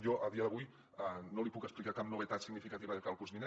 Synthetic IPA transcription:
jɔʔəðiəðəβuj | ənolipukəsplikakapnuβet̪at̪siɡnifikat̪iβəðəkalˠkuzminɛ

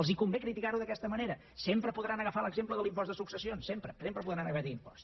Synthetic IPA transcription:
əlˠzikumbekɾit̪ikaɾuðəkɛst̪əməneɾə | sempɾəpuðɾanəɣəfaləɡzempləðəlimpɔst̪əsuksəsionsempɾəsempɾəp̬uðɾanəɣət̪iimpɔ̥st̪

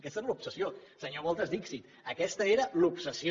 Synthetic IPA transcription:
kɛst̪eɾlupsəsiosəɲoβɔlˠt̪əzd̪iksit̪ | əkɛst̪əeɾəlupsəsi

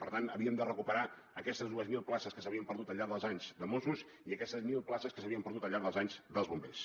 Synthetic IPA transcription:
pəɾt̪anəβiəmd̪ərəkupəɾa | əkɛst̪əzðuəzmilˠplasəskəsəβiəmpəɾðut̪əlʎːaɾðəlˠzaɲzd̪əmosus | iəkɛst̪əzmilˠplasəskəsəβiəmpəɾðut̪əlʎːaɾðəlˠzaɲzd̪əlˠzβumbes

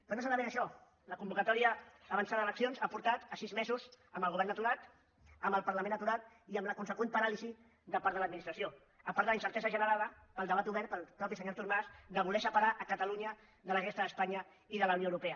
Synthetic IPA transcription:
ponosanəβeɾəʃɔ | ləkumbukət̪ɔɾiəːβənsaðəələksionzapuɾt̪at̪əsizmezuz | əmbəlˠɣuβɛɾrnət̪uɾat̪ | əmbəlˠpəɾrləmẽnət̪uɾat̪̚ | iəmləkunsəkwenpəɾalizi | ðəpaɾðələd̪minist̪ɾəsio | əpaɾðələinsəɾt̪ɛzəʒənəɾaðəpəlˠd̪əβat̪uβɛɾt̪̚pəlˠpɾɔpisəɲoɾt̪uɾmazd̪əβulɛsəpaɾaʔəkət̪əluɲə | ðələɣest̪əðəspaɲə | iðələunjoəwɾupɛə

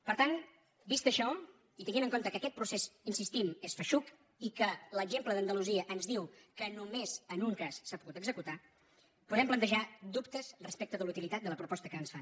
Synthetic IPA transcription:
pəɾt̪an | bist̪əʃɔ | it̪əŋɡinəŋkont̪əkəkɛt̪̚pɾusezinsist̪imesfəʃuk | ikələɡʒempləðənd̪əluziəʔənzðiwkənumezənuŋkasːapuɣut̪əɡzəkut̪a | puðɛmplˠənt̪əʒad̪upt̪əzrəspek̚t̪əðəlut̪ilit̪at̪̚d̪ələpɾupɔst̪əkənsfa

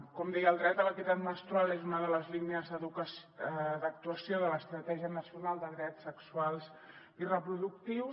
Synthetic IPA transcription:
kɔmd̪ɛjəlˠd̪ɾɛt̪ələk̪it̪at̪məst̪ɾualezunəðələzliniəzðəðukəsd̪ək̚t̪uəsjoðələst̪ɾət̪ɛʒiənəsiunalˠd̪əðɾɛt̪səksualˠz | irəpɾuðuk̚t̪iw

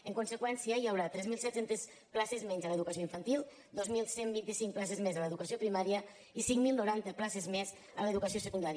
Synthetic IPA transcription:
əŋkunsəkwɛnsiəiəwɾat̪ɾɛzmilˠsɛt̪sent̪es | klasezmɛɲzələðukəs̬ioiɱfənt̪ilˠ | d̪ozmilˠsembint̪isiŋplasezmezələðukəsiopɾimaɾiə | isiŋmilˠnoɾant̪əklasezmɛz | ələðukəsiosəkund̪aɾjə

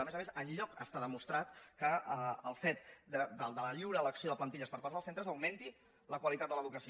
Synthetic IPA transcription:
əmezəmẽzəʎʎɔkəst̪aðəmust̪ɾat̪kəəəlˠfɛt̪̚d̪əd̪əlˠd̪ələʎiwɾələksioðəplənt̪iʎəspəɾpaɾzðəlsent̪ɾəzəwment̪i | ləkwəlit̪at̪̚d̪ələðukəsi

